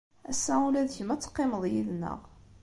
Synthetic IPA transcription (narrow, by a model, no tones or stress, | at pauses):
æsːæulæðçəmæt͡sːə̥qːɪməðˤjiðnə̰ʁ